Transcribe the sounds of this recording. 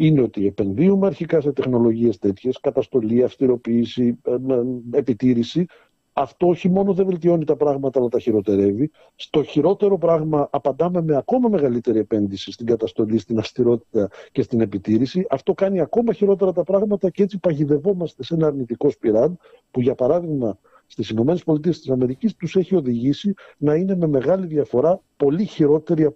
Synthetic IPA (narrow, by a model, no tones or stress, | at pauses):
ineo̞t̪ie̞pe̞nðiumeɐɾçikɐse̞t̪e̞xno̞lo̞ʝie̞st̪e̞t̪çe̞skɐt̪ɐst̪o̞liɐfst̪iɾo̞piːsi | epit̪iɾisi | ɐft̪o̞oçimo̞noðeve̞lt̪̬io̞nit̪ɐpɾɐɣmɐt̪ɐɐlɐt̪ɐçiɾo̞t̪e̞ɾe̞vi | st̪o̞çiɾo̞t̪e̞ɾo̞pɾɐɣmɐʔɐpɐnd̪ɐme̞meɐko̞mɐme̞ɣɐlit̪e̞ɾiepe̞nðisist̪iŋɡɐt̪ɐst̪o̞list̪inɐfst̪iɾo̞t̪i̥t̪ɐce̞st̪ine̞pit̪iɾisiʔɐft̪o̞kɐniɐko̞mɐçiɾo̞t̪e̞ɾɐt̪ɐpɾɐɣmɐt̪ɐcee̞t͡sipɐʝiðe̞vo̞mɐst̪e̞se̞nɐːɾnit̪iko̞spiɾɐn | puʝɐpɐɾɐðiɣmɐ | st̪isino̞me̞ne̞spo̞lit̪̬ie̞st̪isɐme̞ɾicist̪use̞çio̞ðiʝisinɐine̞me̞me̞ɣɐliðiɐfo̞ɾɐpo̞liçiɾo̞t̪e̞ɾiɐ